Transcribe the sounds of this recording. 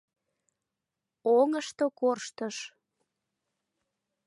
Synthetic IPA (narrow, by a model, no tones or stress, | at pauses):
oŋəʃt̪okorʃt̪əʃ